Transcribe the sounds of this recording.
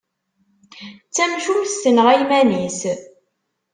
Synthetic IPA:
t͡sːæmʃumsːənəʁæjmænis

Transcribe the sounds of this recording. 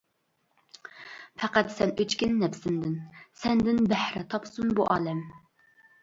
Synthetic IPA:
pʰɛqæt̪sɛnøt͡ʃkʲinːɛpʰsɪnd̪ɪnsɛnd̪ɪnbæhɾɛt̪ʰɑpsunbuʔɑːlɛm

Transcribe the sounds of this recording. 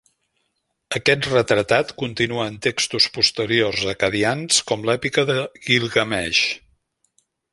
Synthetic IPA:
əkɛt̪rət̪ɾət̪at̪kunt̪inuəːnt̪ekst̪uspust̪əɾiorzəkəðianskɔmlɛpikəðəɣilˠɣəmɛʃ

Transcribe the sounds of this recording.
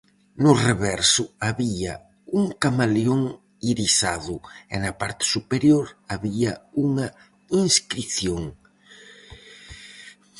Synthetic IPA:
nʊreβɛɾsʊaβiɐ̰ | uŋkamaljoŋ | iɾisaðʊḛnɐpaɾt̪ɪ̥supeɾjoɾaβiɐuŋɐ | iŋskɾiθjoŋ

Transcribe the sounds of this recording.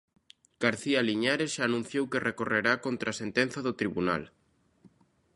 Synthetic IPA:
ɡ̥aɾθialiɲaɾesʃaːnũn̟θjowkerekoreɾakont̪ɾasent̪en̟θaðʊt̪ɾiβuna̰l

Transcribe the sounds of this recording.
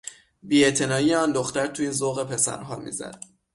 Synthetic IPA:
biːe̞t̪ʰe̞nɒːijeɒːnd̪oxt̪æɾt̪ʰujiːnzoɣe̞pʰe̞sæ̰ɾɦɒːmḭːzæ̰d̪̥

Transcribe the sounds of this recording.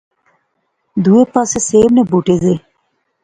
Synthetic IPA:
d̪uepaseseːmnebuʈeze

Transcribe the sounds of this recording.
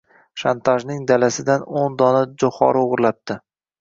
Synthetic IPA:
ʃant̪ʰaʒnɪŋd̪alasɪd̪anond̪ɒnad͡ʒoχɒ̰ɾoʁɾlap̚t̪ɪ

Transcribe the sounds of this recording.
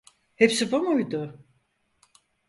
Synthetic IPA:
hepsibamojd̪ʊ

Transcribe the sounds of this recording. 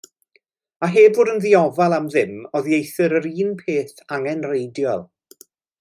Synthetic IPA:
aɦeːbʊːdənðiɔvalˠamðɪmɔðjejθɨɾəɾiːnpʰeːθaŋɛnrejdjɔlˠ

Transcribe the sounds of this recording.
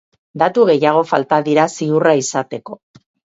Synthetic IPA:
d̪at̪uɣ̞e̞jaɣ̞o̞fa̰lt̪aðiɾasiuraisat̪e̞ko̞

